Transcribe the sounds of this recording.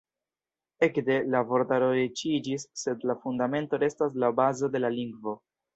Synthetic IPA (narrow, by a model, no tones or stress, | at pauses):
e̞kde̞lavo̞ɾdaɾoɾit͡ʃid͡ʒisːe̞dlafundame̞nto̞ɾe̞stas̬labazo̞de̞laliŋɡvo̞